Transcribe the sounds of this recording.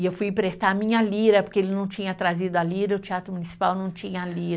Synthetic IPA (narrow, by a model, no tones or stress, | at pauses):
ɪewfujpɾest̪amĩɲɐliɾɐpoɾkeelɪnɐ̃w̃t͡ʃĩɲɐt̪ɾazid̪ʊaliɾɐʊt͡ʃiat̪ɾʊmunisi̥pawnɐ̃w̃t͡ʃĩɲɐliɾ